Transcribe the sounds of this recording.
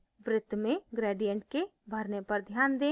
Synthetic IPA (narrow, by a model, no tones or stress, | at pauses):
ʋɾɪt̪ːmẽɡɾeːɖijə̃ɳʈ̚kebʱəɾnepɐɾd̪ʱjaːnd̪eː